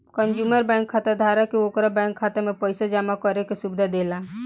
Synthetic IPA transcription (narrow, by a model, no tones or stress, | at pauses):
kənd͡ʒuməɾbɛ̃ŋkʰːat̪ed̪ʱaɾakiokɾabɛ̃ŋkʰːat̪emepəjsad͡ʒamakɔɾekesubd̪ʱad̪ela